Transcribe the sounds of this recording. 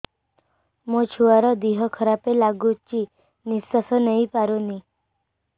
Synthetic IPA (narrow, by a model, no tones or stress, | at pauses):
mot͡ʃʰuʋaɾɔd̪iɦəkʰəɾapelaɡut͡ʃi | nisəsɔnəipaɾuni